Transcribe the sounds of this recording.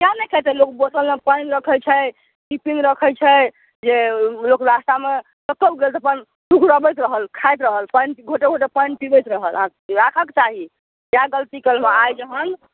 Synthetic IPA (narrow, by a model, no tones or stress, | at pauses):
kanəjkʰet̪ɛlokbosəlẽpənɾəkʰəjt͡ʃʰɛ | ʈipinɾəkʰəjt͡ʃʰɛ | d͡ʒelokɾast̪ame | ləkːəbɡelt̪əpən | sukʰɾəbəjt̪ɾəɦəlkʰajt̪ɾəɦəlpəjnɡʱoʈeɡʱoʈepəjnpibəjt̪ɾəɦəlãkɾakʰakt͡ʃaɦi | jaɡəlt̪ikəlmeajd͡ʒəɦən